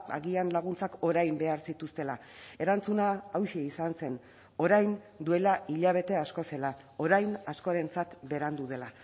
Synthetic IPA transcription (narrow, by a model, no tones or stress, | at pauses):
a̰ɣianlaɣ̞unt͡sako̞ɾajmbe̞aɾsit̪ust̪e̞la | e̞ɾant͡sunaːwʃeisanse̞n | o̞ɾajn | d̪ue̞laiʎaβ̞e̞t̪e̞asko̞se̞la | o̞ɾajnasko̞ɾe̞nt͡sat̪be̞ɾand̪uðe̞la